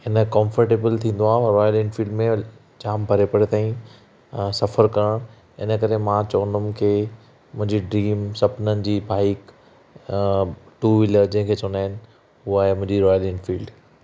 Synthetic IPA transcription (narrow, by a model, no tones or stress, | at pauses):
ɪnəkɔ̃mfəɾʈeːbəlt̪ʰĩːnd̪oaːɦɾɔːjəlɛ̃ːɖfiːɭɖmẽ | d͡ʑaːmbʱɐɾepɐɽet̪aːĩ | sɐfəɾkɐɾəɽ̃ | ɪ̰nə̆kɐɾemãt͡ɕɔːnʊmkʰeː | mʊ̃ɦɪ̃ɲd͡ʑiɖɾiːmsɐpnənɪ̆d͡ʑiːbaːɪk | ʈuʋɪləd͡ʑɐ̃ɦɪ̃kʰeːt͡ɕʊnd̪aːɦɪnɪ̆ | uaːɦemʊ̃ɦɪ̃ɲd͡ʑiɾɔːjəlɛ̃ːɳɖfiːlɖ